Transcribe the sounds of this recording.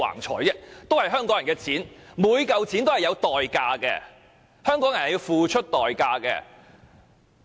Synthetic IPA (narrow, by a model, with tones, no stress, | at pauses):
a̰ː˨˩ŋt͡ʃʰɔ̰ː˨˩jt͡sɛː˥t̪o˥whɐ˨jɦœː˥ŋkɔː˨˥ŋɐ˨˩ŋkɛː˧t͡sʰiː˨˥nmuː˨˧jkɐ˨˧wt͡sʰiː˨˥nt̪o˥whɐ˨˩jɐ˨˧wt̪ɔː˨jkaː˧kɛ̰ː˧ | hœː˥ŋkɔː˨˥ŋjɐ˨˩nhji˧wfuː˨˧t͡ʃʰɵ˥t̚t̪ɔː˨˩jkaː˧kɛ̰ː˧